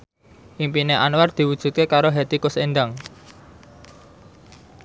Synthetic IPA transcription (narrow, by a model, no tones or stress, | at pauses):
ʔimpineʔanward̪̥i̤wud̥ʒ̥ṳt̪̚kekaɾoɦet̪ikʊsenɖaŋ